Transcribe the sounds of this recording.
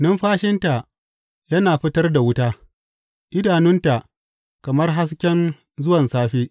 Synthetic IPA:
nɐ˦mɸaː˦ʃɪ˦nta˨ | jɐ˦naː˨ɸɪ˦tɐ˦rda˨wʊ˦taː˦ | ʔɪ˦daː˨nʊ˦nta˨ʔ | kɐ˨mɐ˦rɦa˦s̬kʲɛ˦n | zʊ˦wɐ˨nsaː˦ɸeː˦

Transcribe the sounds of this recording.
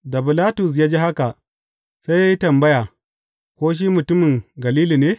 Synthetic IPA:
da˨bɪ˨laː˦tʊ˨s̬jaː˦d͡ʒe˦ha˦ka˨ | sa˦ja˦ji˦tɐ˨mbɐ˦jaː˨ | kʷoː˦ʃ̬iː˦mʊ˨tʊ˦mɪ˨ŋɡɐ˨liː˦liː˨neː˦

